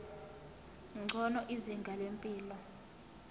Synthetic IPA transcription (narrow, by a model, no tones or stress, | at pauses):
ŋ͡ǀʱɔnɔʔiziŋɡʱalempʼiːlɔ